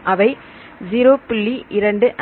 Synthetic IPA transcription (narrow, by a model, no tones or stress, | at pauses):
ʔɐʋɐɪ | d͡ʒiːɾoːpɪɭːiʔɪɾɐɳɖɯʔ